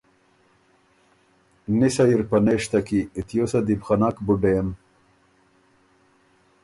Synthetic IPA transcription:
nisajiɾpɐneʂt̪akiːt̪ʰjosad̪ibχanakbuɖem

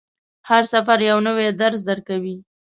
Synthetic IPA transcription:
haɾsafaɾjawnəwed̪aɾzd̪əɾkawi

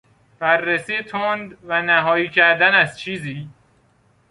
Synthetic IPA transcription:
b̥ærːesiːet̪ʰond̪vænæɦɒːjiːcʰæɾd̪ænæzt͡ʃʰiːziː

